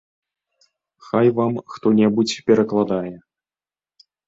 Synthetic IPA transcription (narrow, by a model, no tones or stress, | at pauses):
xajvamxt̪ɔnʲɛbut͡sʲpʲɛɾɐklˠad̪ajɛ